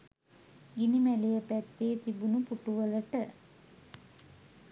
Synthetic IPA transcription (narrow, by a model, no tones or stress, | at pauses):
ɡinimælejəpæt̪ːeːt̪ibunupuʈuʋələʈə